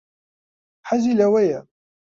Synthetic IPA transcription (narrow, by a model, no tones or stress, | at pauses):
ħazilæwæja